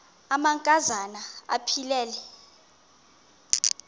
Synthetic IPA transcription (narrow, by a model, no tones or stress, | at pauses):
amaŋkʼazanaa̰pʰilɛːlɛ